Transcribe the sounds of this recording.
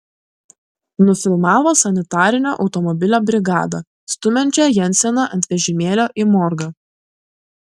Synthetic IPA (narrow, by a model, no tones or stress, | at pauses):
nʊfʲɪlˠmɑːʋoːsɐnʲɪt̪ɑːɾʲɪnʲo̰ːʔɒʊt̪ɔmɔbʲɪlʲoːbʲɾʲɪɡɑ̰ːd̪ɐ | st̪ʊmʲɛnʲt͡ʃʲɛjɛnʲt̪sʲɛnɑʔɐnt̪ʲʋʲɛʒʲɪmʲeːlʲoːʔɪmɔɾɡɐ